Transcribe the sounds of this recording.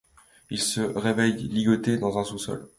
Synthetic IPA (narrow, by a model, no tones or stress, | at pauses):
ilsəʁevɛjliɡɔt̪ed̪ɑ̃zɛ̃susɔ̰l